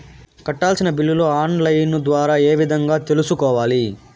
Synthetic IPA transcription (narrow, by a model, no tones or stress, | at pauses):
kɐʈːaːlsinɐbilːuloaːnlɐjnd̪ʋaːɾaːe̞ːʋid̪ʱɐŋɡaːt̪e̞lusukɔːʋaːli